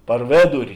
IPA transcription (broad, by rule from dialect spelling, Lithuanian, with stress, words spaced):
pɐr ˈʋʲeːdʊrʲɪ